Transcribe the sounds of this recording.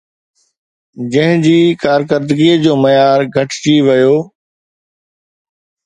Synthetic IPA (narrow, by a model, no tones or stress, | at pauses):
d͡ʑɐ̃ɦɪ̃d͡ʑiːkaːɾkəɾd̪ɡiːd͡ʑoːmɐjaːɾɡʱɐʈʰt͡ɕiʋɐjoː